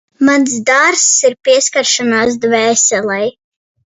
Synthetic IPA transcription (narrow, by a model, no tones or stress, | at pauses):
mans̬d̪aɾsiɾpiɛskaɾʃanaːsd̪vɛːsɛlˠɛj